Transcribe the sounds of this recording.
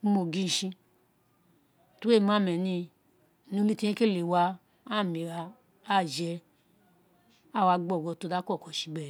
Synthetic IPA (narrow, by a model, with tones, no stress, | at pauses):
mo˨ɡi˦˧n̩˨ʃĩ˧ | tu˦e˦˨ma˦˨mɛ˨nĩ˧˨ | nũ˨˧˦li˦ti˦i˦ke˦le˨wa˧ | a˦˨mi˨ɾa˧ | a˦˨d͡ʒɛ˧ | a˦˨wa˧ɡ͡bɔ˨ɡɔ˧˨to˧da˦kɔ˦˨kɔ˨ʃi˨˧ɡ͡bɛ˦˨